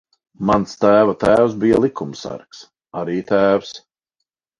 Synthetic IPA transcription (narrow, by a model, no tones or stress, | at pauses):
manst̪æːvat̪æːws̬bijalˠikʰumsæ̰ɾks | aɾiːt̪æːws